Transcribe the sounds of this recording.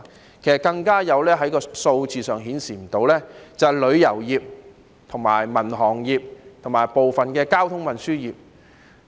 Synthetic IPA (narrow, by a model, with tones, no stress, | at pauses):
kʰe˨˩jskɐ˧ŋkaː˥jɐ˨˧wlɛː˥ɦɐ˨˥jkɔː˧so˧wt͡siː˨sœː˨ŋɦiː˨˥nsiː˨˩m̩˨˩t̪o˨˧wlɛː˥t͡sɐ˨lɵ˨˧ɥjɐ˨˩wjiː˨p̚ | t̪ʰʊ˨˩ŋma̰ː˨˩jmɐ˨˩nɦɔː˨˩ŋjiː˨p̚t̪ʰʊ˨˩ŋmaː˨˩jpo˨wfɐ˨nkɛː˧kaː˥wt̪ʰʊ˥ŋmɐ˨˩nsyː˥jiː˨˩p̚